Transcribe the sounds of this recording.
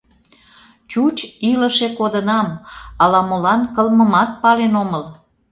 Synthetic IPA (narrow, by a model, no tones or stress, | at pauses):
t͡ɕut͡ɕiləʃekod̪ənɑmɑlɑmolɑnkəlməmɑt̪̚pɑlenoməl